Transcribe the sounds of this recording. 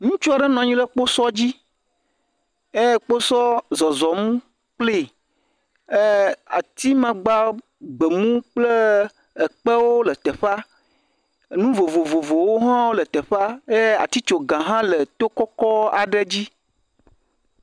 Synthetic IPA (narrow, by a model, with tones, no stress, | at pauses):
ŋũ˦t͡ʃu˦a˨ɖɛ˦nɔ̃˨ɲĩ˦lə˦k͡po˦sɔ˦d͡ʑi˦ | e˦˨k͡po˦sɔ˦zɔ˨zɔ˨mũ˦ | k͡ple˦˨ | e˦a̰˨t̪i˦mã˦ɡ͡ba˦ | ɡ͡bə˨mũ˦k͡plə˦ | ə˨k͡pə˦wo˦lə˨t̪ə˨ɸa˦˨ | nũ˦vo˨vo˨vo˨vo˨wo˦ɦã˦wo˦lə˨t̪ə˨ɸa˦je˦a̰˨t̪i˦t͡ʃo˨ɡã˨ɦã˦lə˨t̪o˦kɔ˦kɔ˦a˨ɖə˦d͡ʑi˦